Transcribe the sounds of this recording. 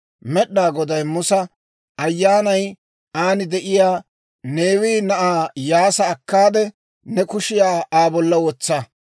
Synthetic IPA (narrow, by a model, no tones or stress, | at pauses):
mɛɗːaːɡɔd̪ɐjmʊsɐ | ʔɐjːaːnɐj | aːnɪd̪ɛʔɪjaː | neːwiːnɐʔaːjaːsɐːkːaːd̪ɛ | nɛkʊʃɪjaːaːbɔlːɐwɔt͡sːɐ